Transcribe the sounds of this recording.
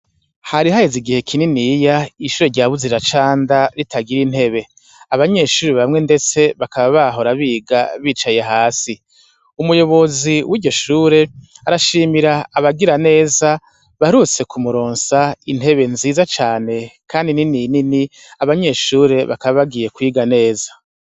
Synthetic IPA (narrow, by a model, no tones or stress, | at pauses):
haɾiɦajiziɡihe̞kʰininijaiʃuːɾeɾɟaːβuziɾat͡ʃaːndaɾitʰaɡiɾin̥he̞βe̞ | aβaɲe̞ʃuːɾeβamŋe̞nde̞t͡se̞βakaβaβaɦo̞ɾaβiːɡaβiːt͡ʃajeɦaːsi | umujo̞βo̞ziwiːɾɟo̞ʃuːɾe̞aɾaʃiːmiɾaːβaɡiɾane̞ːza | βaɾut͡se̞kʰumuɾo̞ːnsain̥he̞βe̞nziːzat͡ʃaːne̞kʰaːndininijnini | aβaɲe̞ʃuːɾe̞βa̰kaβaβaɡiːje̞kwiːɡane̞ːzḁ